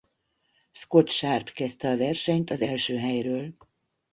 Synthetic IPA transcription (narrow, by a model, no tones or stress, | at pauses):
sko̞t̪ʃaːrt̪kɛst̪ɛɒvɛrʃɛɲt̪ɒzɛlʃøːɦɛjrøːl